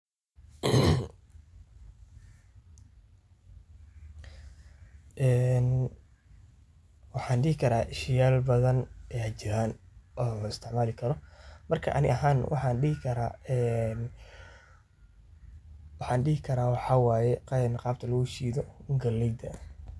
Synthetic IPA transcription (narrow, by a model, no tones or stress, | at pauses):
ʔɛːn | wɑħɑːnɖɪhɪkʰɐɾaːʔɪʃɪjaːlbɐðɐnɛːhɐt͡ʃɪɾaːnʔɔːɪst̪ʰɪʕmaːlɪkʰɐɾɔmɐrkʰɐ̰ʔɐ̰nɪ̰ʔɐɦaːnwʔɑ̰ħɑːnɖɪɦɪkʰɐɾaːɛn | wɑħɑːnɖɪhɪkʰɐɾaːwɑħɑwaːjɛqnqɑːb̚t̪ʰɐlɐɣʊʃiːðɔŋɡɐlːɛjd̪ɐ